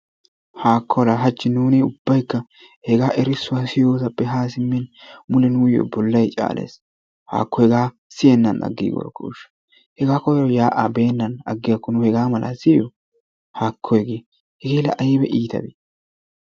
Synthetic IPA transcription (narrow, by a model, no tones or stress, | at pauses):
haːkːɔwlaːɦɐt͡ʃːɪnuːnɪʊbːɐjkːɐ | hɛɡaːʔɛɾɪsːʊwasɪjoːsɐpːɛɦaːsɪmːɛnmʊlɛnujɔ̰bɔlːɐjt͡ʃʼa̰ːlʔḛːs | ha̰ːkːɔhɛɡaː | sɪjɛnːɐnɐ̰ɡːḭɡɔ̰ɾkːɔ̰ʊʃɐ̥ | hɛɡaːkɔɛɾɔjaːʔabe̞ːnːɐnɐ̰ɡːɪjɐkːɔnʊhɛɡaːmɐlʔa̰ːsɪjɔ | haːkʰːɔjɡeː | hɛɡeːlɐ̰ʔɐjɪbɛʔiːt̪ɐ̰bi